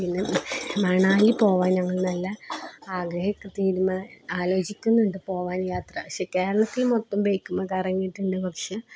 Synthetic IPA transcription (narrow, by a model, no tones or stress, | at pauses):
inːɨmɐɳaːlipo̞ːʋaːnɲɐŋːɐɭnɐlːɐaːɡɾɐhɐkːɨt̪iːɾumɐaːlo̞ːt͡ɕikʲːunːuɳɖɨpo̞ːʋaːnjaːt̪rɐpɐkʂe̞ke̞ːɾɐɭɐt̪ːilmot̪ːɐmbejkʲːumːɐkɐrɐŋːijːʈːuɳɖɨpɐkʂe